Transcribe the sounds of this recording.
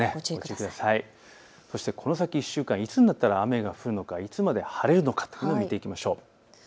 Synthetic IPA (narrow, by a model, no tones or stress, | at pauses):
eot͡ɕikɯd̪asai | so̞ɕi̥t̪e̞kʰo̞no̞sakʲiːɕːɨːkãɰ̃it͡sɨnʲːat̪ːaɾaːme̞ɡaɸɯ̟ɾɯ̟no̞kait͡sɨmad̪e̞haɾe̞ɾɯ̟no̞kḁt̪o̥jɯnnoːmʲit̪e̞ikʲimaɕo̞ː